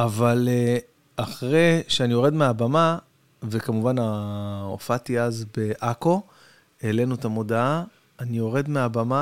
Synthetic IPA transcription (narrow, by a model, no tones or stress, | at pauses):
avale | aχʁeʃeanijo̞ʁe̞dmeabama | ve̞kamuvanao̰fatiazbe̞ʔako̞ | ele̞nut̪amo̞daaː | nio̞ʁe̞dmeabama